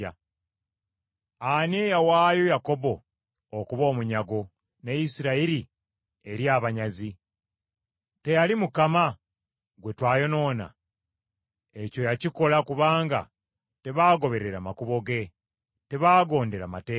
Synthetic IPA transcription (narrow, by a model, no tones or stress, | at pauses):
a | anejawaːjojako̞bo̞ː | kuβo̞ːmuɲaɡo̞ | nejisiɾaiɾi | e̞ɾjaːβaɲazi | te̞jalimukama | ɡwe̞twaːjo̞no̞ːna̰ | eco̞jaciko̞lakuβaːŋɡa̰ | te̞βaːɡo̞βe̞ɾe̞ɾamakuβo̞ɡe̞ | te̞βaːɡo̞ːnde̞ɾama̰teː